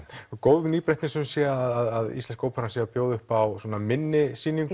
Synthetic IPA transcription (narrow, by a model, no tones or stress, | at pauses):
koːwvʏniːpɾɛjht̪nɪsʏmsjɛaðaðaðḭst̪ɛnskoːwpaɾnasjɛapjoːwðʏʏhpawswɔːnamɪnːɪsiːniŋk